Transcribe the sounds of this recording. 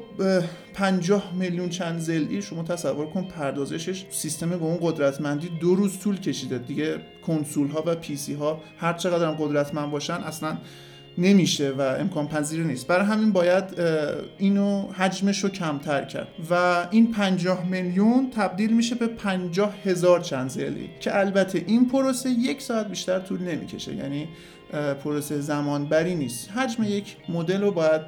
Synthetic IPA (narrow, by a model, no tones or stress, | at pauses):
pʰænd͡ʒɒːhmeljunt͡ʃʰænd̪ze̞lʔiːʃo̞mɒːt̪ʰæsævːo̞ɾkʰoni̥pʰæɾd̪ɒːze̞ʃeʃsist̪e̞meɡounɡo̞d̪ɾæt̪ʰmænd̪iːd̪oɾuːzt̪ʰuːlcʰe̞ʃiːd̪ed̪iɟe̞ | kʰonsulɦɒːvæpʰisiːɦɒːhæɾt͡ʃʰeɣæd̪ɾæmɢo̞d̪ɾæt̪ʰmænd̪̚bɒːʃænʔæslænː | e̞miːʃevæḛmkʰɒːnpʰæziːɾniːst̪bæɾɒjɦæminbɒːjæd̪ | iːnohæd͡ʒmeʃocʰæmt̪ʰæɾcʰæ̰ɾd̪væinpʰænd͡ʒɒːhmeljunt̪ʰæb̚d̪iːlmiʃe̞be̞pʰænd͡ʒɒːhhe̞zɒːɾt͡ʃʰænd̪zḛlḭcʰeʔælbæt̪ʰe̞ʔinpʰoɾoseje̞cʰsɒːæt̪̚biːʃt̪æɾt̪ʰuːlne̞mḭːcʰe̞̰ʃe̞̰jæ̰ːni | pʰoɾosezæmɒːnbæɾiːniːst̪ɦæd͡ʒmeje̞cʰmod̪e̞lobɒːjæd̪̥̚